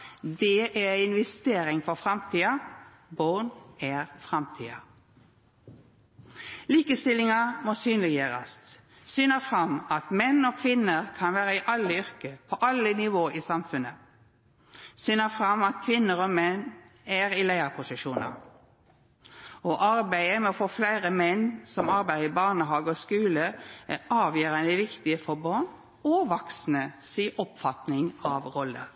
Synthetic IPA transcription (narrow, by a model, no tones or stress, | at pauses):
d̪ɛʔæɪnʋɛst̪eːʁɪŋfɔʁfʁɑmt̪ʰiːɑ | bonæːʁfʁɑmt̪ʰḭːɑ̰ | liːkəst̪ɪlɪŋɑmoːsyːnlɪɡjøːʁə̰st̪ | syːnəfʁɑmɑt̪mɛnoːkʰʋɪnəʁkʰɑnʋæːʁəɪʔɑlːəʏʁkəpʰoːʔɑlənɪʋoːʔiːsɑmfʉnə | syːnəfʁɑmɑt̪kʰʋɪnːəɾɔmɛn | æɾɪlæɪəɾpʰʊsɪʃuːnə̰ɾ | ɔʔɑɾbæɪəmɛɔfoːflæɪʁəmɛnsɔmɑɾbæɪʁəɪbɑʁnəɦɑːɡəɔskʉːləæɑːʋjøːɾənəʋɪkt̪ɪəfɔɾbɑn | ɔʋɑksnəsiːʔɔpfɑt̪nɪŋɑʋʁɔlːə̰ɾ